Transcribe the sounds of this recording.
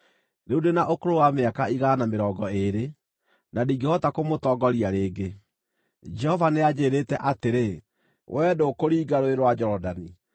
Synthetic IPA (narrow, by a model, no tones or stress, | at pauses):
ɾeudenaʔokoɾowameakaiɣaːnameɾɔːɡɔeɾe | nadiːɡehɔtakomotɔːɡɔɾiaɾeːɡe | d͡ʒɛhɔvanead͡ʑeːɾetɛʔateɾe | wʔɛːdokoɾiːɡaɾoeɾwad͡ʒɔɾɔdani